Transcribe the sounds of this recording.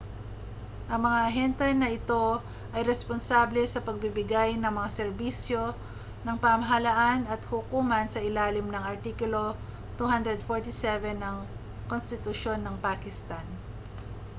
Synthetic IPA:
ʔɐŋmɐŋaʔɐɦɛnt̪ɛnɐɪt̪o̞ | ʔɐjɾɛsponsaːblɛsɐpɐɡ̚bɪbɪɡajnɐŋmɐŋasɛɾbiːsjo̞ | nɐŋpamɐɦɐlaʔanɐt̪hʊkuːmɐnsɐʔɪlaːlɪmnɐŋɐɹt̪ikʊlo̞ | t̪uhand̪ɾɛd̪foɹt̪isɛvɛnːɐŋ | konst̪ɪt̪ʊʃo̞nːɐŋpaːkɪst̪an

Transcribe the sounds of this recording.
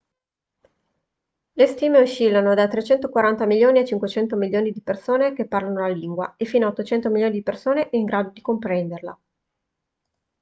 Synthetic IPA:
lest̪iːmeuʃːilːanod̪at̪ːɾet͡ʃɛnt̪okwaɾant̪amiljoːniet͡ʃiŋkwet͡ʃɛnt̪omilːjoːnid̪ipersoːnek̟epːarlanolaliŋɡwa̰efːiːnaot̪ːot͡ʃɛnt̪omiljoːnid̪ipersoːneʔɛiŋɡɾaːd̪od̪ikompɾɛnd̪erla̰

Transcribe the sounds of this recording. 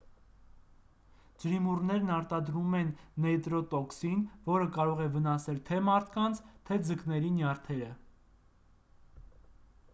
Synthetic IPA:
d͡ʒəɾimurnɛɾnɑɾt̪ɑd̪ɾumɛnːɛt̪ɾɔt̪ɔksinvɔɾəkɑɾɔʁɛvənɑsɛlt̪ʰɛmɑɾt̪ʰkɑnt͡sʰt̪ʰɛd͡zəknɛɾinjɑɾt̪ʰɛɾə

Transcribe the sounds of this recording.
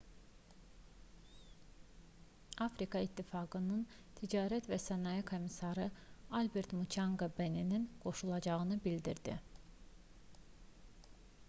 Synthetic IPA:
ɑfɾikɑit̪ʰːifɑɡɯnɯn | t̪ʰid͡ʒɑːɾæt̪væsænɑjikʰo̞misɑɾɯɑlbeɾt̪mut͡ʃʰɑŋɡobenininɡ̥o̞ʃulˠɑd͡ʒɑɣɯnɯbild̪iɾd̪i

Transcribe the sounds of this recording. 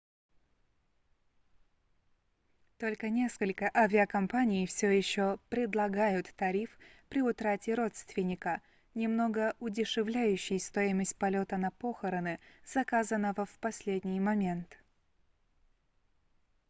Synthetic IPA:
t̪o̞lʲkənʲe̞skəlʲkəʔɐvʲɪəkɐmpanʲɪjfsʲojɪɕːopɾʲɪd̪lˠɐɡajʊt̪ːɐɾʲifpɾʲɪʊt̪ɾatʲɪɾo̞t̪st̪vʲɪnʲɪkə | nʲɪmno̞ɡəʊdʲɪʂɨvlʲæjʉɕːɪjst̪o̞ɪməsʲt̚ʲpɐlʲo̞t̪ənɐpo̞xəɾənɨz̥ɐkazənːəvəfpɐsʲlʲedʲnʲɪjmɐmʲe̞nt̪

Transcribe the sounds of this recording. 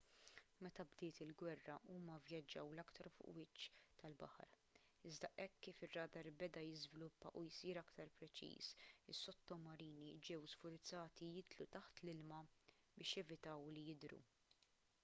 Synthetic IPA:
mɛt̪ɐbd̪ɪːt̪ɪlɡwɛrːɐʔuːmɐvjɐd͡ʒːɐwlɐkt̪ɐɾfʊ̰ʔwɪt͡ʃːt̪ɐlbɐ̰ħɐ̰ɾ | ɪzd̪ɐʔɛkːiːfɪrːɐːd̪ɐɾbɛd̪ɐjɪzvɪlʊpːɐ̰ʔujsiːɾɐkt̪ɐɾpɾɛt͡ʃḭːsɪsːɔt̪ːɔmɐɾiːnid͡ʒɛwsfʊɾt͡sːɐːt̪ijɪt̪lut̪ɐħt̪lɪlmɐ | bɪːʃjɛvɪt̪ɐwlijɪd̪ɾṵ

